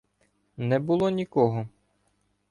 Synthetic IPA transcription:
nɛbulˠɔnʲikɔɦɔ

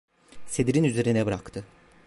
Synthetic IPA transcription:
sed̪iɾinyze̞ɾinɛbɾakt̪ʰɯ

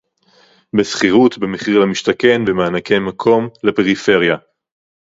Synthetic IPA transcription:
besχiʁut̪bemeχiʁlamiʃt̪ake̞nbemeanake̞makʰo̞mlepe̞ʁife̞ʁja

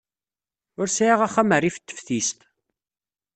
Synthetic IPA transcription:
ʊɾsjaʁæχæmərːifət̪ːə̥fθist̪

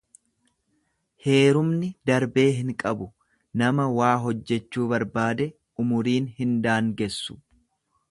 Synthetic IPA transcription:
he̞ːɾʊmnɪd̪ɐɾbe̞ːɦɪŋkʼɐbʊ | nɐmɐwaːɦɔd͡ʒːɛt͡ʃːuːbɐɾbaːd̪ɛ | ʊmʊɾiːnhɪnd̪aːŋɡɛsːʊ̥

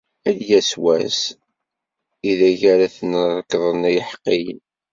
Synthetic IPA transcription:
æðjæswæ̰s | iðæʝæɾæθənrˤəkːðˤənæjəħqːijn

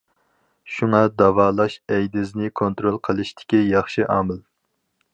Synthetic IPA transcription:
ʃuŋɑd̪ɑvɑːlˠɑʃɛjd̪ɪznɪkʰont̪ɾolˠqʰəlˠɨʃt̪ʰɪ̥kʲijɑχʃiʔɑːmɨl

